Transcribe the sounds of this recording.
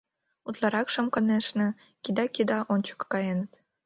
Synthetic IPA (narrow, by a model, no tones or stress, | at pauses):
ut̪lˠɑɾɑkʃə̆mkə̆neʃnĕ | kʲid̪ɑkid̪ɑʔonʲt͡ɕə̥kːɑjenət̪